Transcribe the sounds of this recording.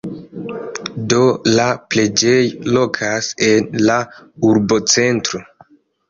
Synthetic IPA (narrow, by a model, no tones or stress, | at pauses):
do̞laple̞d͡ʒe̞jlo̞kʰase̞nlauɾbo̞t͡se̞ntɾo̞